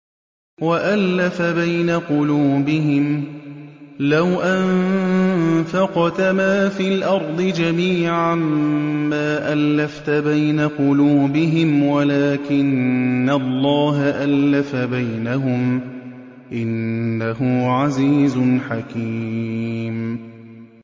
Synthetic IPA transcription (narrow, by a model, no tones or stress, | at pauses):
waʔalːafabajnaqʊluːbɪɦɪm | lawʔann | fɑqt̪amaːfiːlʔɑɾˤd̪ˤɨd͡ʒamiːʕamː | aːʔalːaft̪abajnaqʊluːbɪɦɪmwalaːkɪnːalˤːɑːɦaʔalːafabajnaɦʊm | ʔɪnːaɦʊʕaziːzʊnħakiː | m